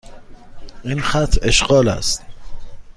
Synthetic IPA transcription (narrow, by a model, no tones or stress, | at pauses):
ʔiːnxæt̪ʰeʃɢɒːlæ̰st̪